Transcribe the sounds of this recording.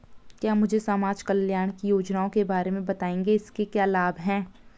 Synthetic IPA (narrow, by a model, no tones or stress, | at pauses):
kjaːmʊd͡ʒʱesaːmaːd͡ʒkəljaːɾɽ̃kijoːd͡ʒnaːõkebaːɾemẽbɐt̪aːẽːŋɡeɪskekjaːlaːbʱɦɛ̃ː